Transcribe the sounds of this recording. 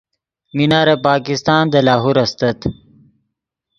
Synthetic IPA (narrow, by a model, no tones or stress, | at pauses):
minaːɾepaːkist̪aːnd̪ɐlaːɦuɾɐst̪ɐt̪